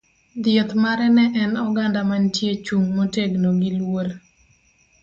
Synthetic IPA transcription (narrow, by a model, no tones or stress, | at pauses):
d̪jɔt̪maɾɛnɛʔɛnɔɡandamantjet͡ʃuŋmoteɡnoɡilwoɾ